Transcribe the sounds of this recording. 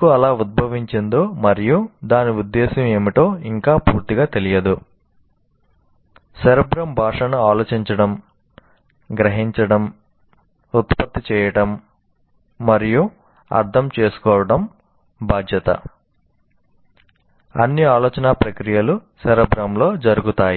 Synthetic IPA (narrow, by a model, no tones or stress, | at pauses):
uɐlaːud̪̚bʱɐʋiɲt͡ʃend̪o̞ːmɐɾijud̪aːniud̪ːeːsɐme̞ːmiʈ̪o̞ːiŋkaːpuːɾt̪iɡaːt̪e̞lijɐd̪u | sɐɾɐbɾɐmbʱaːʂɐnuaːloːt͡ʃiɲt͡ʃɐɽɐm | ɡɾɐɦiɲt͡ʃɐɽɐm | ut̪pɐd̪ːit͡ʃɛːjɐʈɐmː | ɐɾiju | ɐ̰ɾt̪ʰɐmt͡ʃe̞ːsu̥kɔːʋɐɽɐm | bʱaːd̪ʱjɐt̪ɐ̰ | ɐ̰nːiaːloːt͡ʃɐnaːpɾɐkɾijɐlusɛɾɐbɾɐmlo̞ːd͡ʒɐɾuɡut̪aːji